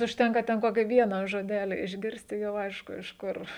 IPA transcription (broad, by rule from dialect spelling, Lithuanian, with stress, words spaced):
ʊʃʲˈtʲɛŋkɐ tʲɛn ˈkoːkʲɪ ˈʋʲiɛnɐ ʒoːˈdʲæːlʲɪ ɪʒʲˈɡʲɪrʲsʲtʲ ɪ ˈjɛʊ ˈɐɪʃkʊ ɪʃ ˈkʊr